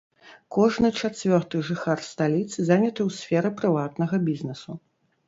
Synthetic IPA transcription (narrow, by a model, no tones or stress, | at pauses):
kɔʐnɨt͡ʂat͡sʲvʲɔrt̪ɨʐɨxarst̪alʲit̪sɨzanʲɐt̪ɨwsʲfʲɛɾɨpɾɨvat̪̚nɐɣɐbʲiznɛsu